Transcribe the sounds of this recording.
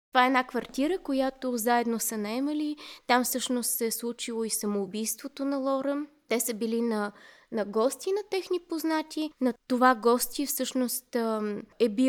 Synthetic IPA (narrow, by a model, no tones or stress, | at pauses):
tt̪ovaɛɛnakvɐɾt̪ʲiɾəkojat̪ozaɛd̪nosənɐɛməlit̪amfsɤʃnost̪sɛslˠut͡ʃilˠoisɐmoːbijst̪vot̪onɐlˠɔɾət̪ɛsəbilinɐnɐɡɔst̪ʲinɐt̪ɛxnipoznat̪ʲinɐt̪ovaɡɔst̪ʲifsɤʃnost̪ɛbi